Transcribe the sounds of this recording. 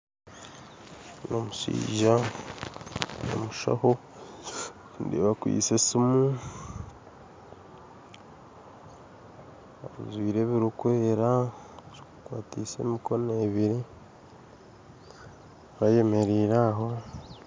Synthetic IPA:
no̞musḭːʒa | no̰muʃa̰ho | ndiβakwḭːsesimu | aɾṵzwiːɾe̞βiɾukweːɾa | ɾikukwaːtise̞̰ːmiko̞neβiɾe | βaje̞me̞ɾiːɾaɦo̞

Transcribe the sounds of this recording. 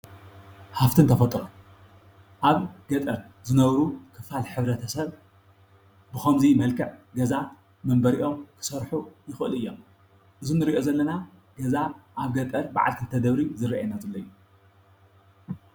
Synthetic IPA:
haft̪ʰɨnt̪ʰɐfɐt̪ʼɾom | ʔaβɡ̥ɐt̪ʼɐɾ | zɨnɐβɾukʰɨfalħɨβɾɐt̪ʰɐsɐβ | bɨxɐmzimɐlkʰɐʕɡɐza | mɐmbɐɾiʔo̞mkʰɨ̥sɐɾħujɪxɨʔɨlɨjːom | ʔɨzunɨɾiʔozɐlːɐna | ɡ̥ɐzaʔaβɡɐt̪ʼɐɾba̰ʕa̰lkʰɨnt̪ʰɐd̪ɐβɾizɨɾːiʔajnazɨlːɐjːu

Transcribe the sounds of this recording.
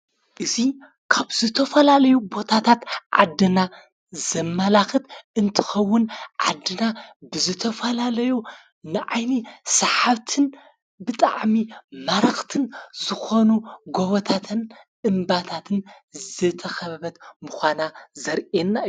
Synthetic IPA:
ʔɨzi | kʰaβzɨt̪ʰɐfɐlalɐjubo̞t̪ʰat̪ʰat̪ʕa̰d̪ːɨna | zɐmːalaxɨt̪ɨnt̪ʰɨ̥xɐwːʊnʕa̰d̪ːɨnabɨzɨt̪ʰɐfɐlalɐju | nɨʕajnisɐħaβt̪ʰɨn | bɨt̪ʼa̰ʕmimaɾɐxt̪ʰɨnzɨxo̞nuɡoβot̪ʰat̪ʰɨn | ɨmbat̪ʰat̪ʰɨn | zɨt̪ʰɐxɐβɐβɐt̪muxʷanazɐɾʔenːa

